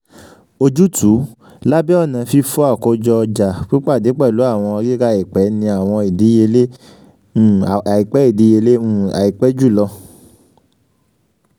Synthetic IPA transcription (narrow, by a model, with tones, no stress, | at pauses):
o˧d͡ʒu˦tu˨˦ | la˦bɛ˦ɔ˦˨nã˨fi˧fu˦a˦˨ko˧d͡ʒɔ˧ɔ˧d͡ʒa˨k͡pi˦k͡pa˦˨di˨˦k͡pɛ˦˨lu˨˦a˦˨w̃ɔ̃˧ɡe˦ɡa˦i˨k͡pɛ˨˦nĩ˧a˨w̃ɔ̃˧i˨di˨˦je˧lẽ˦˨ | i˨k͡pɛ˨˦i˦˨di˨˦e˧le˦ũ˦˨a̰˨i˨k͡pɛ˦d͡ʒu˦˨lɔ˧